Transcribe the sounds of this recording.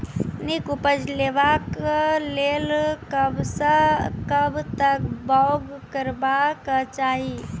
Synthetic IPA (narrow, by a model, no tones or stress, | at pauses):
nikupəd͡ʒleʋakleːlkəbsəkəbt̪ək̚baʊɡkəɾbakət͡ʃaːɦi